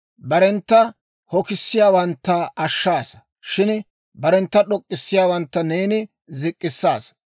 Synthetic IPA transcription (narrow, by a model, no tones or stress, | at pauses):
bɐɾɛnt̪ːɐ | hɔkɪsːɪjaːwɐnt̪ːɐɐʃːaːsɐ | ʃɪn | bɐɾɛnt̪ːɐɗɔkʼːɪsːɪjaːwɐnt̪ːɐneːnɪ | zɪkʼːɪsːaːs